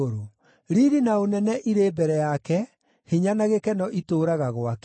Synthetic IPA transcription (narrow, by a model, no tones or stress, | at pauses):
oɾo | ɾiɾinaonɛnɛʔiɾeːbɛɾɛjakɛ | hiɲanaɣekɛnɔʔitoːɾaɣaɣwak